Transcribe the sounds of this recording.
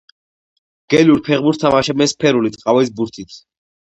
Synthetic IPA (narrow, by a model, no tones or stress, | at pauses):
ɡ̥ɛluɾpʰɛʁbuɾt̪t̪ʰːamaʃɛbmɛspʰɛɾulit̪sʼqʼavɛs̬buɾt̪ʰit̪ʰ